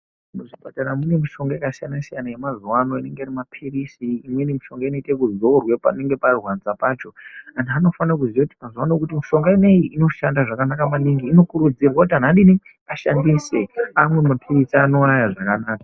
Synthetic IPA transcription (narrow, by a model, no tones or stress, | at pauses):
muʐipataɾamune̞miʃo̞ŋɡajekasijanasijanajemazuwano̞ine̞ŋɡeirimapʰirisiːmwe̞nimiʃo̞ŋɡaino̞itekuzorwepane̞ŋɡe̞parwand͡zapaːt͡ʃo̞andano̞fanakuzijakuti̥mazuwanokutimiʃo̞ŋɡaine̞jiʔino̞ʃandaʐakanakamaniŋɡiːno̞kuɾud͡zirwakutiɦan̤anɗini | aʃandise̞amwe̞mapʰirisiano̞ɾajaʐakanaːkḁ